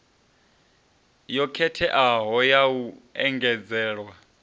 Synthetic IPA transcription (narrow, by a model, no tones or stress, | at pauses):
jɔkʰɛtʰɛʔaɦɔjawuɛŋɡɛd͡zɛːɺwa